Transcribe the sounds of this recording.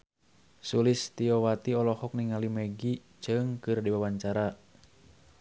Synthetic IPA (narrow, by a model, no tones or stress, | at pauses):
sulist̪iɔwat̪iɔlɔhɔk̚niŋalimɛɡi | t͡ʃɨŋkɨrdiwawaɲt͡ʃaɾa